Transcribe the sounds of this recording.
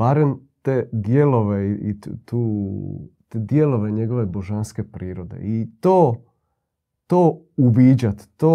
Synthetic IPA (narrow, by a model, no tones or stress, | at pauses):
baɾemt̪ed̪jelo̞ʋeiit̪u | t̪ed̪jelo̞ʋe̞ɲe̞ɡo̞ʋe̞boʒanske̞pɾiːɾod̪e̞̰it̪oː | t̪oː | uʋid͡ʑat̪t̪ːoː